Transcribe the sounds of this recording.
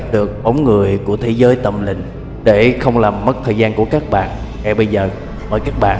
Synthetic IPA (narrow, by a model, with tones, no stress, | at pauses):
p̚ɗɨ˨˩ək̚ɓə˨˦wŋ͡mŋɨ˨˩əjku˧˩ət̪ʰe˨˦zəː˨˦jt̪ə˧˩mlḭ̈˧˨ŋ̟ | ɗe˧˩xə˧wŋ͡mlaː˨˩mː˦˥t̚t̪ʰəː˨˩jzaː˧nku˧˩əkaː˦˥k̚ɓa̰ː˧˨n | ŋa˨˧˩jɓə˧jzəː˨˩ | məː˨˩jkaː˦˥k̚ɓa̰ː˧˨